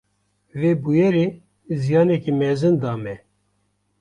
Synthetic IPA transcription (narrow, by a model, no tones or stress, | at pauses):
veːbujɛɾe | zijɑːnɛkimɛzɨnd̪ɑːmɛ